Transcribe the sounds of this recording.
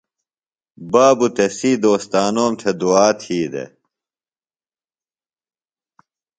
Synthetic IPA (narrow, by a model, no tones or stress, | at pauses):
baːbut̪esiːd̪oːst̪aːnoːmt̪ʰed̪uaːt̪ʰiːd̪ḛ